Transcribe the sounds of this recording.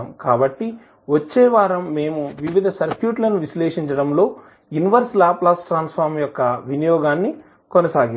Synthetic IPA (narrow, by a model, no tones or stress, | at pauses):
mkaːbɐʈːi | ʋɐt͡ʃːɛːʋaːɾɐmːeːmuʋiʋid̪ʱɐsɐɾkjuːʈlɐnuʋisleːʂiɲt͡ʃɐɽɐmlo̞ː | juniʋɐɾslaːplaːsʈɾaːnspʰɐɾmjɔkːɐʋinijɔːɡaːnːi | kɔnɐsaːɡi